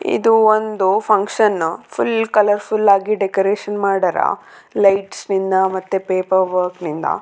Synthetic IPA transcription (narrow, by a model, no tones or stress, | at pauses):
ḭd̪uond̪upʰɐŋkʂɐnpʰulkɐlɐɾpʰulːaːɡiɖekoɾeːʃɐnmaːɽɐɾɐ̰ | lɐjʈsnind̪ɐmɐt̪ːepeːpɐɾʋɐɾknind̪ɐ̰